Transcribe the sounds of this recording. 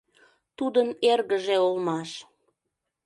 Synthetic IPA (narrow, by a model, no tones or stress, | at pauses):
t̪ud̪ənerɣəʒeolmɑʃ